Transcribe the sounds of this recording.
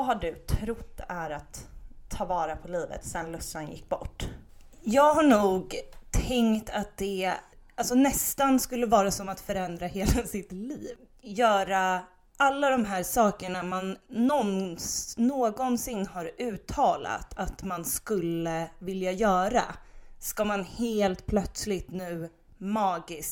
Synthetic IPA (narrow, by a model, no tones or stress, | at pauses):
ɦaɖɵt̪ʰɾʊt̪̚d̪̥ɛæɾat̪ʰːɑːvɑːɾapʰɔliːvə̰t̪sɛnlɵsanjɪ̰kːbɔ̰ʈːjɑːɡɦaɳuːɡt̪ʰɛŋkt̪ʰat̪̚d̪̥ɛ | alsɔnɛst̪anskɵlːəvɑːɾasɔmat̪fœɾɛnd̪ɾaheːlasɪt̪liːv | jœːɾa | ʔalːad̪ɔmɦæːɾʂɑːkəɳamanːɔnnːoːɡɔnsɪnːhaɾʉ̟ːt̪ʰɑːla̰t̪ʰat̪manskɵlːəvɪljajœːɾa̰skamanheːlt̪pʰlœt̪slɪt̪nʉ̟ː | mɑːɡɪsk